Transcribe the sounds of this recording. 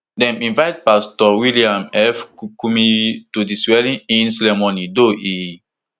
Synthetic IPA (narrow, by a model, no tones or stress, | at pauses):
dɛ̃mĩnvaɪt̚pastɔwiliãmɛfkukumitudiswɛlĩnĩnsɛlɛmɔnidoʔi